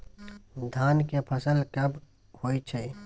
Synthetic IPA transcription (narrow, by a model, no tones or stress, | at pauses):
d̪ʱaːnkepʰəsəlkɐb | hoːit͡ʃʰe